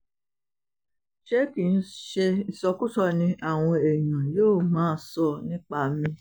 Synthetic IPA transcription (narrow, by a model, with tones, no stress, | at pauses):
ʃe˦ki˨n̩˦ʃe˧i˦˨sɔ˧ku˦sɔ˦˧nĩ˧ʔa˦˨w̃ɔ̃˧e˨j̃ã˨joː˦˨mãː˨˦sɔ˧˨nĩ˦k͡pa˧mĩ˧